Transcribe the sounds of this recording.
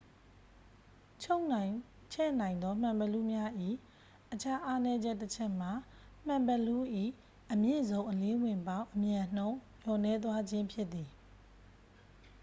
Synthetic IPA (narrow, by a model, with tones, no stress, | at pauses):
o˦n˨ | t͡ɕʰɛ˦˨nã˨ɪ̃nd̪ɔ˦m̥ã˨mbə˨lu˦˨mja˦ʔḭ˦˨ | ʔət͡ɕʰa˦ʔa˦nɛ˦d͡ʑɛ˦ʔtːət͡ɕʰɛ˦ʔm̥a˨ | m̥ã˨mbə˨lu˦ʔḭ˦˨ | ʔəmjḛ˦˨zõ˦ʊ̃ʔəle˦wɪ̃˨mbã˦ʊ̃ʔəmjã˨n̥õ˦ʊ̃ | jɔ˨nɛ˦t̪̬wa˦d͡ʑɪ̃˦mpʰjɪ˦t̪ːi˨